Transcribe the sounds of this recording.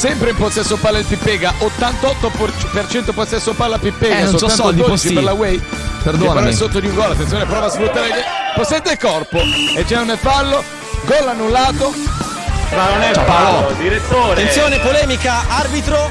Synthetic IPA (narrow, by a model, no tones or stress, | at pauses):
sɛmpɾeimposɛsːopalːeelpipːɛːɡaʔot̪ːant̪ɔt̪ːoppert͡ʃɛnt̪oposɛsːopalːapipːɛːɡasolt̪and̪op̪it͡ʃipeɾlawɛjpeɾd̪oepeɾɔɛsːot̪ːod̪iuŋɡɔlat̪ːent̪joːnepɾɔːvasfɾut̪ːaːɾekeposɛd̪ːekɔrpoet͡ʃːɛunepalːo | ɡɔlanːulːaːt̪o | manonɛpaod̪iɾet̪ːoːɾeent̪sjoːnepolɛːmikaarbit̪ɾo